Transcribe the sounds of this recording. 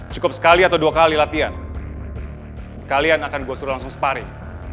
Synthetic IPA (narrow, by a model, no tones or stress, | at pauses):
t͡ʃukʊp̚sə̥kaliat̪awduakalilat̪ian | kalianakanɡuasuɾulaŋsʊŋsə̥paɾi